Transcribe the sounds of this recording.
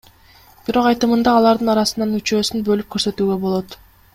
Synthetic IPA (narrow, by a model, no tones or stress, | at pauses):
b̥iɾo̞qɑjt̪ɯmɯnd̪ɑːlˠɑɾd̪ɯnɑɾɑsɯnɑnyt͡ʃø̞ːsynbø̞lyp̚kʰø̞ɾsø̞t̪yːɡø̞bo̞lˠo̞t̪